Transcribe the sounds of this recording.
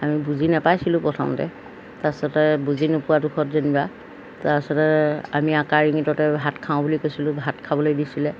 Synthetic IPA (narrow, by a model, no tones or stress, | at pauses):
amibuzinɛpajsilʊ̃pɹɔtʰɔ̰mtɛ̰ | tasɔtɛbuzinʊpʊwadukʰɔtzeniba | tasɔtɛamiakaɹiŋitɔtɛɦatkʰaʊ̃bulikojsilʊ̃ɦatkʰabɔlojbisilɛ